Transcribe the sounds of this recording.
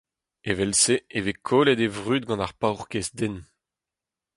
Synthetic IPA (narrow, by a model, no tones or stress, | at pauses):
evɛlseevekʰoːlɛd̪evʁyːd̪̚ɡɑ̃naʁpawʁkesd̪en